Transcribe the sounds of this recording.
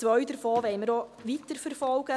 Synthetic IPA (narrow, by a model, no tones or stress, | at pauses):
ʋœɥdəɾfɔːʋɛɪməɾoʋit̪əɾfəɾfɔlɡ̥ə